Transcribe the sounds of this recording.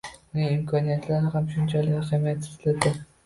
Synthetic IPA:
ʊnɪɪmkʰɒnijat̪laɾɪhamʃʊnt͡ʃʰalɪkʲqamajat̪ɪ̥zlad̪ɪ

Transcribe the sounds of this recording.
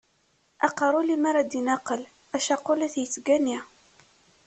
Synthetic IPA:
ɑ̰qəɾˤʊlimaɾˤad̪inɑqəl | æʃɑqːʊlæθjət͡sːɡæni

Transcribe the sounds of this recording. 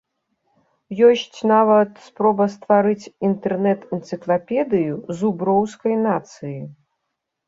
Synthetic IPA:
jɔsʲt͡sʲnavɐt̪spɾɔbɐst̪vaɾɨt͡sʲint̪ɛrnɛt̪ɛnt̪sɨklˠapʲɛd̪ɨjuzubɾɔwskɐjnat̪sɨji

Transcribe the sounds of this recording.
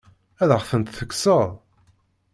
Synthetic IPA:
æðʁʁθənt̪θəkːsəʁˤ

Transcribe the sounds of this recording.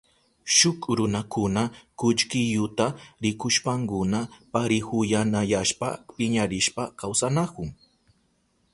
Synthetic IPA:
ʃʊkɾʊnakʊnakʊʎkɪʎʊt̪aɾɪkʊʃpaŋkʊnapaɾɪhʊjanajaʃpa̰pɪɲaɾɪʃpakawsanakʊŋ

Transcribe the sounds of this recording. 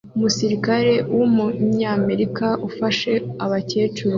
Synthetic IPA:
umusiɾikaɾe̞wʔumuɲaːme̞ɾikaʔufaʃe̞aβaceːt͡ʃuɾo

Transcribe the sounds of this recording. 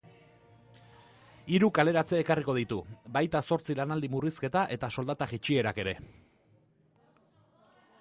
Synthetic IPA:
iɾukale̞ɾat͡se̞ːkariko̞ð̞it̪ubajt̪aso̞ɾt͡silanald̪imuriske̞t̪aʔe̞t̪aso̞ld̪at̪aɣit͡ʃie̞ɾake̞ɾe̞

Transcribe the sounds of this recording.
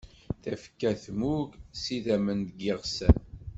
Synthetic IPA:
θæfə̥kːæθmuɡsiðæmənd̪ɡɪʁsæn

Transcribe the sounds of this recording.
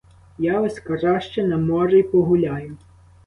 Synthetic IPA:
jɑʋɐsʲkɐrɑʃt͡ʃɛnɐmɔɾejpɔɦʊlʲajʊ

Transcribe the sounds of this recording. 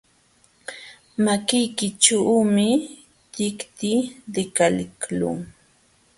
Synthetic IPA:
makɪjkɪʈ͡ʂawmɪ | t̪ɪkt̪id̪ɪkalɪklʊ̰ŋ

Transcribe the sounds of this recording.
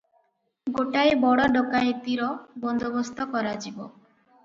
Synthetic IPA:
ɡoʈaebɔɽɔɖokaet̪iɾɔbɔnd̪obost̪ʰɔkɔɾad͡ʒibo

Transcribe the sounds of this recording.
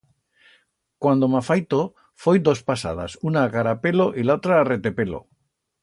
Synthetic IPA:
kwand̪omafajt̪o | fojd̪o̞spasa̰ð̞a̰sunaːkaɾape̞lo̞ʔilaot̪ɾaːre̞t̪e̞pe̞lo̰

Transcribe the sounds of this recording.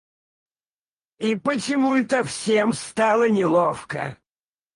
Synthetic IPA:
ipət͡ɕɪmuɛt̪əfsʲemst̪alˠənʲɪlˠofkə̰

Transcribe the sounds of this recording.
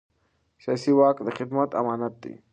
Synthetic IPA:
saːsiwaːkd̪əxid̪mɐt̪ɐ̰maːnɐt̪ːḭ

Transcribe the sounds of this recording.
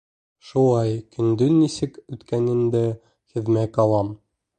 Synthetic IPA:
ʃulˠɑjkɵ̆nd̪ɵnːisɘkʉt̪kænɘ̆nd̪ɘ | hɘ̆ðmækɑlˠɑm

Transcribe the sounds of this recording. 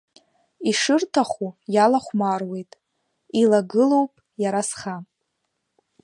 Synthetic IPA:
iʂɨrtʰaχujalaχʷmarwe̞jtʼ | ilaɡɨlo̞wpʼ | jaɾasχa

